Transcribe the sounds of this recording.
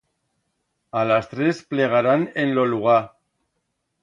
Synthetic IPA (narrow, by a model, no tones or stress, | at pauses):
alast̪ɾespleɣ̞aɾanenloluɣa